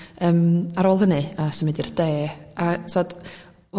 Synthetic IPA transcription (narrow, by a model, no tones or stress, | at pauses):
əːmaɾoːlˠənɨasəmedird̥eːat͡sʰɔd̥